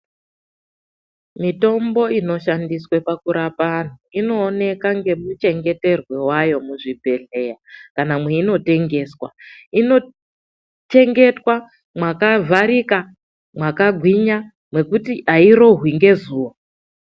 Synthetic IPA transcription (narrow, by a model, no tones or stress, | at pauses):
mito̞mbo̞ino̞ʃandiswepakuɾapan̤uino̞ːne̞kaŋɡe̞mut͡ʃe̞ŋɡe̞te̞rwe̞wajo̞muʐibʱe̞ɮe̞jakanamwe̞ino̞te̞ŋɡe̞ːswa̰ino̞ | t͡ʃe̞ŋɡe̞twa | mwakavʱaɾika | mwakaɡʱwiɲa | mwe̞kutiʔaiɾo̞ɦwiŋɡe̞zuːwa